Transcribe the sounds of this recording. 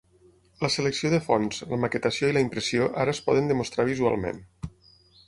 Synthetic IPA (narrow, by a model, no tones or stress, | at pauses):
ləsələksioðəfɔnzləməkət̪əsioiləimpɾəsioʔaɾəːspɔ̰ðənd̪əmust̪ɾaβ̞izua̰lˠmḛn